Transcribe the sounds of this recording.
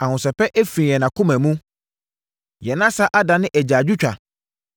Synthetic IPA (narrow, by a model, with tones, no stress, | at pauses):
ã˨hʊ̃˨sɛ˨pɛ˦ʔe˦fɾĩ˨ɛ˨nã˨kʰʊ̃˦mæ̃˨mũ˦ | jɛ˨nã˦sa˦ʔa˦dã˨nɪ̃˦ʔæ˨d͡ʑaː˨d͡ʑᶣu˦t͡ɕᶣa̰˨